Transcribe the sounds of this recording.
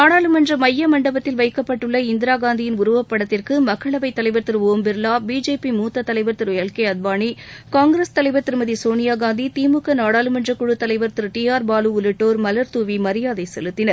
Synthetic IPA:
naːɽaːlɯmɐndrɐmɐjːɐmɐɳɖɐbɐt̪ːɪlʋɐɪkːɐpːɐʈːɯɭːɐɪnd̪ɪɾaːɡaːnd̪ɪjɪnʊɾʊʋɐpːɐɽɐt̪ːɪrkɯmɐkːɐɭɐʋɐɪt̪ːɐlɐɪʋɐɾt̪ɯɾoːmbɪɾlaːbiːd͡ʒeːpimuːt̪ːɐt̪ːɐlɐɪʋɐɾt̪ɯɾɐɭkɐɪɐd̪̚baːɳikaːŋɡɾest̪ɐlɐɪʋɐɾt̪ːɯɾmɐðisoːnɪjaːɡaːnd̪it̪iːmɯkːɐnaːɽaːlɯmɐndrɐkʊɻɯt̪ːɐlɐɪʋɐɾt̪ɯɾʈiːaːɾbaːlɯʊlɯʈːoːɾmɐlɐɾt̪uːʋimɐɾɪjaːðɐɪsɛ̰lɯt̪ːɪnɐɾ

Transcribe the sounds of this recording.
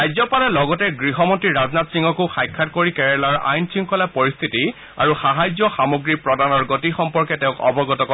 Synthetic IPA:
ajzɔpalɛlɔɡɔtɛɡɹiɦɔmɔntɹiɹaznatsiŋɡɔkuxajkʰːatkoɹikɛɹɛlaɹa̰jntʰiŋkɔlapɔɹist̪ʰiti | a̰ɹuxaɦajzɔxamoɡɹipɹɔdanɔɹɡotixɔmpɔɹkɛtɛʊ̃kɔ̰bɔɡɔtɔkɔ

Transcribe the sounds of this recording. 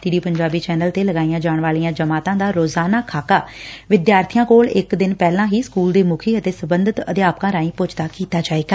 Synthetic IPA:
t̪iːɖiːpəɲd͡ʒaːbiːt͡ʃɛːnəlt̪eːləɡaːijãːd͡ʒaːɳʋaːlijãːd͡ʒəmaːt̪ãːd̪aːɾoːzaːnaːkʰaːkaːʋɪd̪jaːɾt̪ʰijãːkoːlɪkd̪ɪnpɛːlãːɦiːskuːld̪eːmʊkʰiːət̪eːsəbənd̪ət̪ə̰d̪eaːpkãːɾãːĩːpʊt͡ʃd̪aːkiːt̪aːd͡ʒaːeːɡaː

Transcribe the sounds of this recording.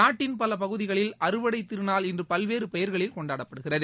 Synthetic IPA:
aːʈːɪnpɐlɐpɐɣɯðɪɣɐɭɪlɐɾɯʋɐɽɐɪt̪ːɪɾɯnaːlɪndrɯpɐlʋeːɾɯpɛjɐɾɣɐɭɪlkɔɳɖaːɽɐppːɐɽɯɣɪrɐðɯ

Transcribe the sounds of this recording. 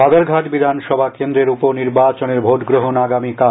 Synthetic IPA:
ad̪aɾɡʱaʈbid̪ʱanʃɔbʱakend̪ɾeɾupoɾniɾbat͡ɕoneɾbʱoʈɡɾoɦonaɡamika

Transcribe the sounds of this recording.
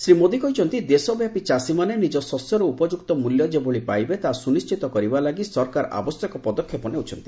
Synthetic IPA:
sɾimod̪ikɔjt͡ʃʰɔnt̪id̪esɔbjapit͡ʃasimanenid͡ʒɔsɔsjɔɾɔupɔd͡ʒuk̚t̪ɔmuljɔd͡ʒeboɭipajbet̪asunist͡ʃit̪ɔkɔɾibalaɡisɔɾkaɾʔa̰bɔsjɔkɔpɔd̪ɔkʰːjɔpɔneut͡ʃʰɔnt̪i̥

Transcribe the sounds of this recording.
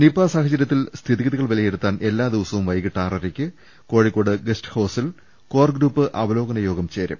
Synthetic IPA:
nipːaːsaːɦɐt͡ɕːɐɾjɐt̪ːilst̪ʰiðiɣɐðiɣɐɭʋɐlɐjeɽut̪ːaːne̞lːaːd̪iʋɐsɐʋumʋɐjɣiʈːaːrɐɾekʲːɨ | ko̞ːɻikːoːɽɨɡesʈɨ̥hɐːsil | ko̞ːrɡɾuːpːɨʔɐbɐlo̞ːɡɐnɐjo̞ːɡɐmt͡ɕeːɾɐ̰m

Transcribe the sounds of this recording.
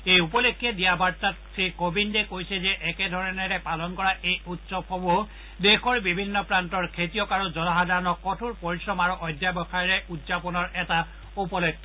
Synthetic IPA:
ejupɔlekʰːiɛdijabaɹtatsʰɹikobindɛkojsɛzɛʔɛkɛdʱɔɹɔneɾɛpalɔnkɔɹaʔejutsɔbxɔbo | dexɔɹbibʱinːɔpɹantɔɹkʰetijɔkaɹuzɔnɔɦadaɹɔnɔkkːɔtʰuɹpɔɹisɹɔmaɹuʔɔjdjabɔkajiɹɛʔudzapɔnɔɹʔɛta | upɔlekʰːɔ

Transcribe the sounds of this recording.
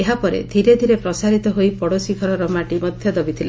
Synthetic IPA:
eɦapɔɾḛd̪ʱiɾed̪ʱiɾepɾɔsaɾit̪ɔɦojpɔɽosikʰɔɾɔɾɔmaʈimɔd̪ʱjɔd̪ɔbit̪ʰila

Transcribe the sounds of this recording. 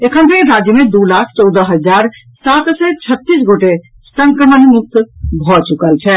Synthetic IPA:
ekʰəmp̪eɾad͡ʒjəmẽd̪ulakʰt͡ʃɔwd̪əɦəd͡ʒaɾ | sat̪sɛt͡ʃʰət̪ːis̬ɡoʈe | sə̃ŋkɾəmənmuk̚t̪bʱɔt͡ʃukəlt͡ʃʰɛ

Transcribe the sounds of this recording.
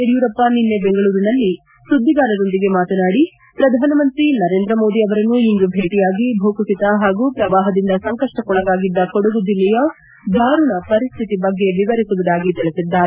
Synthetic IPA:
ɾjuːɾɐpːɐninːebeŋɡɐɭuːɾinɐlːi | sud̪ʱːiɡaːɾɐd̪o̞nd̪iɡe̞maːt̪ɐnaːɽi | pɾɐd̪ʱaːnɐmɐnt̪ɾinɐɾeːnd̪ɾɐmo̞ːd̪iɐʋɐɾɐnːuiŋɡ̪ubʱeːʈijaːɡibʱoːkusit̪ɐɦaːɡupɾɐʋaːɦɐd̪ind̪ɐsɐŋkɐʂʈɐkɔɭɐɡaːɡid̪ːɐkɔɽuɡud̪ilːɛjɐ | b̪ʱaːɾuɳɐpɐɾist̪ʰit̪ibɐɡːe̞ʋiʋɐɾisuʋud̪aːɡit̪iɭisid̪ːaːɾe

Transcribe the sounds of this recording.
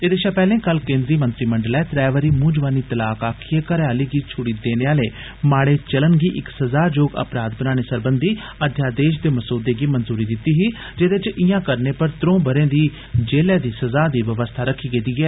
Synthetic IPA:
eːd̪eːʃãːpɛːlẽːkəlkẽːnd̪ɾiːmənt̪ɾiːməɳɖəlɛːt̪ɾɛːʋəɾiːmũːd͡ʒʋaːniːt̪əlaːkaːkʰijekəɾaːliːɡiːt͡ʃʰʊɽiːd̪eːneaːleː | maːɽeːt͡ʃələnɡiːʔɪksəzaːd͡ʒoːɡə̰pɾaːd̪̚bənaːñeːsəɾbənd̪iː | əd̪ʱjaːd̪eːʃd̪eːməsuːd̪eːɡiːmənzuːɾiːd̪ɪt̪ːiːɦiː | d͡ʒed̪eɪt͡ʃɪjãːkəɾneːpəɾt̪ɾõːbəɾẽːd̪iː | d͡ʒeːlɛːd̪iːsəzaːd̪iːʋəʋəst̪ʰaːɾəkʰːiːkeːt̪iːɡɛː

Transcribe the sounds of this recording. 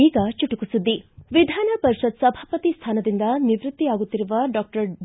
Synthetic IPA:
iːkɐt͡ʃuʈukusud̪ːiʋid̪ʱanɐpɐɾiʃɐd̪̚sɐbʱaːpɐt̪ist̪ʰaːnɐd̪ind̪ɐniʋɾut̪ːiaɡut̪ːiɾuʋɐɖɔk̚ʈɐɾ

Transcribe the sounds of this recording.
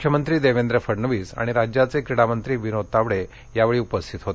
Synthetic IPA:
kʰjəmənt̪ɾiːd̪eʋend̪ɾəfəɾnəʋiːsa̰ɽ̃iɾad͡ʑjat͡sekɾiɽamənt̪ɾiːʋinot̪aʋɽe | jaʋeɭiːupəst̪ʰit̪ɦot̪e

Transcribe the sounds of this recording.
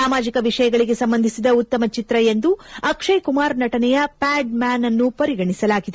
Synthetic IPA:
aːmaːd͡ʒikɐʋiʂɐjɐɡɐɭiɡe̞sɐmbɐnd̪ʱisid̪ɐut̪ːɐmɐt͡ʃit̪ɾɐje̞nd̪uɐkʂɐjkumaːɾnɐʈɐnɛjɐpaːɖmaːnɐnːupɐɾiɡɐɳisɐlaːɡid̪e

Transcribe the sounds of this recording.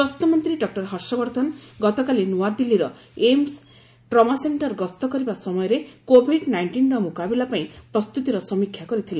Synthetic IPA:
bɔst̪ɔmɔnt̪ɾiɖɔk̚ʈɔɾɦɔɾsɔbɔɾt̪ɔnɡɔt̪ɔkalinuwad̪ilːiɾɔ | ems | ʈɾɔmaseɳʈɔɾɡɔst̪ɔkɔɾibasɔmɔjɔɾekobʱiɖnajɳʈinɾɔmukabilapaĩpɾɔst̪ut̪iɾɔsɔmikʰːjakɔɾit̪ʰile

